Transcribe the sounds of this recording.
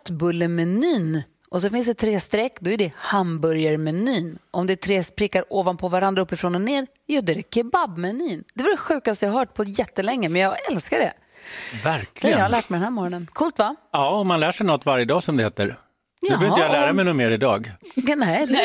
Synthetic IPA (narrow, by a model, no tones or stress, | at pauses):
t̪bɵlːəmɛnyːn | ʔɔs̬ɔfɪnsd̪ɛt̪ʰɾeːst̪ɾɛkːd̪ɔæɖɛhambɵɾjaɾmɛnyːnʔɔmd̪ɛt̪ʰɾeːspɾɪkːaɾoːvanpʰɔvaɾand̪ɾaɵpːɪfɾɔnɔneːɾ | jɔd̪ɔɛd̪ɛkʰɛbabmɛnyːnd̪̥ɛvaɖɛɧʉ̟ːkast̪əjɑhaɦœːʈ̚pʰɔjɛt̪ːəlɛŋːəmɛnjɑɡɛlskaɖɛ̰ | væɾkʰlɪɡjɑːhalæːʈ̚mɛɪdɛnɦæːɾmɑːɾɔnənkʰuːlt̪vaɑːɔmanlæːʂɛjnɔt̪ːvaɾjəd̪ɑːsɔmd̪ɛheːt̪ə̰ɾ | dɵœːɾɪəjɑlæːɾamɛjnɔmeːɾɪd̪ɑːɡnɛd̪ɛ